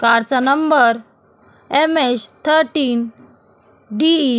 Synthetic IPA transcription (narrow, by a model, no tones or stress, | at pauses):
kaɾt͡sanəmbəɾ | emest̪ʰəɾʈiːn | ɖi